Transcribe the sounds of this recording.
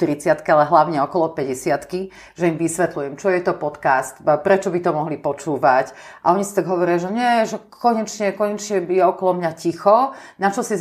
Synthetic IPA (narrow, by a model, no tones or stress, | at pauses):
t̪ɾit͡sɪat̪kialɛɦlaʊɲɛɔkɔlɔpɛɟɛsɪat̪ki | ʒɛimʋisʋɛt̪lujɛmt͡ʃɔjɛt̪ɔpɔt̪kaːst̪pɾɛt͡ʃɔbit̪ɔmɔɦlipɔt͡ʃuːʋacʔa̰ɔɲisit̪aɡɦɔʋɔɾiaʒɛɲɛʒɛkɔɲɛt͡ʃɲɛkɔɲɛt͡ʃɲɛjɛɔkɔlɔmɲacixɔnat͡ʃɔsi